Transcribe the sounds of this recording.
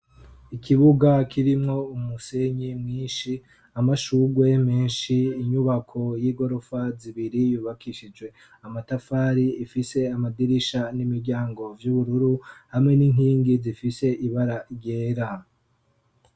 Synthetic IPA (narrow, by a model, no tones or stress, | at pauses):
ikʰiβuɡakʰiɾimŋo̞umuse̞ɲimŋiːnʃi | amaʃuɡwe̞me̞ːnʃiːɲuβakʰo̞jiːɡo̞ɾofaziβiɾijuːβakʰiʃid͡ʒɡwe̞ | amatafaːɾiifise̞amadiɾiʃanimiɾɟaːŋɡo̞vjuβuɾuɾuhamŋe̞niŋhiːŋɡizifise̞ʔiβaɾaɾje̞ːɾa